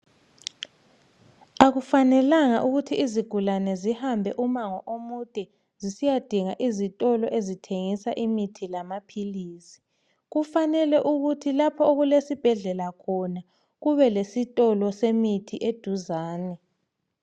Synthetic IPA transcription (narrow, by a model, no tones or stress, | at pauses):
aɣufanɛlaŋaʔuɣutʰiːziɡ̥ʱulanɛzihambʱɛʔumaŋɔʔomud̥ʼʱɛ | zisijad̥ʱiŋaʔizitʼɔlɔʔezitʰeŋisaʔimitʰilamapʰiliːsi̥ | ɣufanɛlɛʔuɣutʰilapʰɔoɣulesib̥ʱɛɮɛlakʰɔna | ɣuβɛlesitʼɔlɔsemitʰiʔed̥ʱuzaːnɛ